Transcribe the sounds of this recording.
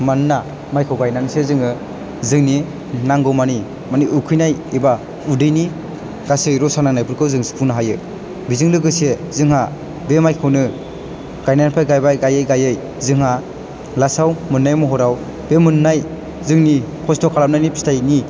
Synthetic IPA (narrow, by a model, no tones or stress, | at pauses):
manɯna | majkʰɯwɡajnansezɯŋɯ | zɯŋni | naŋɡɔmani | maniʔukʰɯjnajiba | udɯjni | ɡasɯjɾɔsanaŋnajpʰuɾkʰɯwzɯŋspʰuŋnaɦajɯ | bizɯŋlɯɡɯsezɯŋɦa | bemajkʰɯwnɯ | ɡ̥ajnanpʰajɡajbajɡajɯjɡajɯj | zɯŋɦa | lasawmɯnːajmɔɦɔɾaw | bemɯnːaj | zɯŋni | kʰɔstɔkʰalap̚najnipʰi̥stajni